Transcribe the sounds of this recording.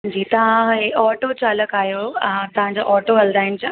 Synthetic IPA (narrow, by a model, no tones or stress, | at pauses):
d͡ʑiːt̪ɐʋ̤ãɦeɔːʈot͡ɕaːləkaːɦijot̪ɐʋ̤ãɲd͡ʑoʔɔːʈoɦɐld̪aːɦɪnɪd͡ʑã